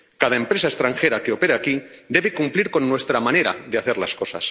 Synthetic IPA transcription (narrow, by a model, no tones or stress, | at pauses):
kað̞aempɾe̞sae̞st̪ɾaŋxe̞ɾakeo̞pe̞ɾeakid̪e̞βekumpliɾko̞nːwe̞st̪ɾamane̞ɾa̰ðeaθe̞ɾlasko̞sa̰s